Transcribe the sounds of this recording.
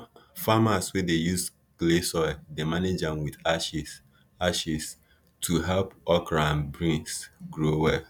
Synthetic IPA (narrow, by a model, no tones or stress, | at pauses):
famaswedejus | ɡlesɔɪdemaned͡ʒanwidaʃi | aʃis | tʰuɦɛlpɔkɾãnbɹĩŋksɡɾowɛl